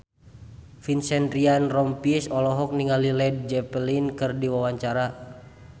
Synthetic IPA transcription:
finsɛndɾianrɔmpisɔlɔɦɔk̚niŋalilɛd̚d͡ʒɛplinkɨrdiwawaɲt͡ʃaɾa

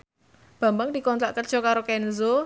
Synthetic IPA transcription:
b̥a̤mbaŋd̪̥i̤kɔnt̪ɾaʔkərd̥ʒ̥ɔ̤kaɾokɛnzo

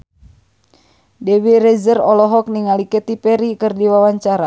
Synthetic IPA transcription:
dɛwirɛzərɔlɔɦɔk̚niŋalikɛt̪ipɛɾikɨrdiwawaɲt͡ʃaɾa

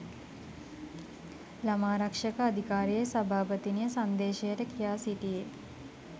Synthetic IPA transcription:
lamaːɾɐkʂəkəad̪ʱikaːɾijejsɐbʱaːpət̪inijəsand̪eːʃejəʈəkijaːsiʈije

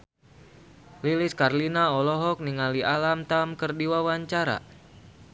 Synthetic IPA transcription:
liliskarlinaɔlɔɦɔk̚niŋaliʔalamt̪amkərdiwawaɲt͡ʃaɾa̰

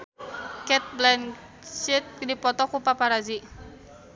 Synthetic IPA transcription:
kɛt̪̚blɛn | t͡ʃit̪̚dipɔt̪ɔkupapaɾazi

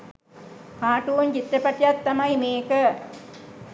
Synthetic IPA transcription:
kaːʈuʋuɲt͡ɕit̪ːɐpɐʈːjat̪ːɐmɐjmeːkə

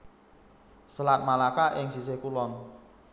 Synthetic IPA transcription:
səlat̪̚malakaʔɪŋsisehkulɔn

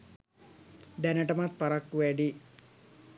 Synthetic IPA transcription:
d̪ɛnɐʈɐmat̪̚pɐɾakːuʋɛɖi

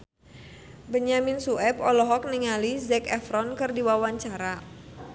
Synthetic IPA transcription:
bəɲamɪnsuɛpɔlɔɦɔk̚niŋalizɛkɛfɾɔnkɨrdiwawaɲt͡ʃaɾa

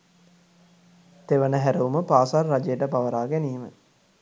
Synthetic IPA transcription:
t̪eʋənəɦæɾəuməpaːsarːad͡ʒejʈəpaʋəɾaːɡæniːmə̰

